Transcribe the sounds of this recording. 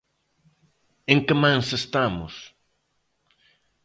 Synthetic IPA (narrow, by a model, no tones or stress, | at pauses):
eŋkɪmãŋsest̪amʊ̰s